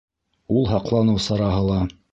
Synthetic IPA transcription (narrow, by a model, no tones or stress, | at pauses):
ulˠɦɑqlˠɑnɤwsɑɾɑɦɤlˠɑ